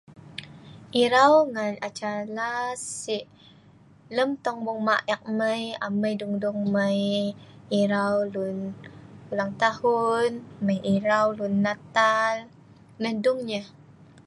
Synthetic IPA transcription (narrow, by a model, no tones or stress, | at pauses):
ʔiɾawŋanat͡ʃalasiʔ | ləmt̪ɔŋbɔŋmaʔɛk̚məjaməjduŋduŋməj | iɾawlunulaŋt̪ahunməjʔiɾawlunːat̪al | nəhduŋɲəh